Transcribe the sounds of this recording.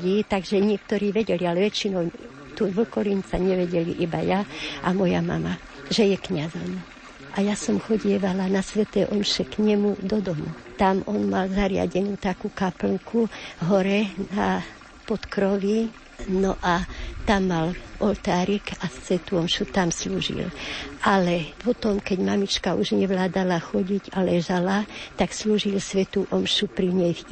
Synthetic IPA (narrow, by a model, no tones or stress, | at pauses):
iːt̪aɡʒɛɲɪɛk̚t̪ɔɾiːʋɛɟɛlialɛʋɛt͡ʃinɔw | t̪uʋl̩kɔɾint͡saɲɛʋɛɟɛliʔiba̰jaamɔja̰ma̰ma | ʒɛjɛkɲazɔm | ʔajasɔmxɔɟɪɛʋalanasʋɛt̪ɛːʔɔmʃɛkɲɛmud̪ɔd̪ɔmṵ | t̪amɔnmalzaɾɪa̰ɟɛnuːt̪akuːkapl̩ŋkʰuɦɔɾɛna | pɔt̪kɾɔʋi | nɔʔat̪amːalʔɔlt̪aːɾikasʋɛt̪uɔmʃut̪amsluːʒḭlʔalɛpʰɔt̪ɔmkɛɟmamit͡ʃkauʒɲɛʋlaːd̪alaxɔɟiɟalɛʒalat̪aksluːʒilsʋɛt̪uːʔɔmʃupɾiɲɛjf